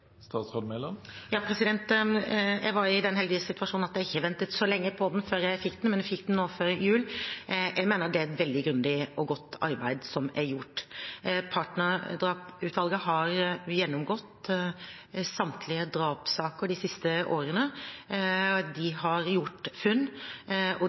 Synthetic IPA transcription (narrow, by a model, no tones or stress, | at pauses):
st̪ɑːt̪sʁod̪mɛlːɔmjɑːpʰɾɛsɪd̪ɛnt̪ | jæʋɑɾɪd̪ɛnɦɛld̪ɪɪsɪt̪ʉʋɑʂuːnnɑt̪jɛæɪçːəʋɛnt̪ət̪sɔlɛŋːəpʰɔd̪ɛn̩føːɾjæɪfɪkːd̪ɛnmɛnjæɪfɪkːd̪n̩noːføɾɪjʉːljʔæmeːnəd̪ɛæɾɛt̪ʋɛld̪ɪɡɾʉnd̪ɪɔɡɔt̪ːɑɾbæɪd̪sɔmæɾjʊʈː | pʰɑʈnəɾd̪ɾɑːpʉːt̪ʋɑlɡəɦɑɾjɛnːɔmɡɔt̪ː | sɑmt̪ʰlɪəd̪ɾɑːpsɑːkəɾɖɪsɪst̪əʔoːɾənə | d̪ɪhɑɾjʊʈfʉnː | ɔ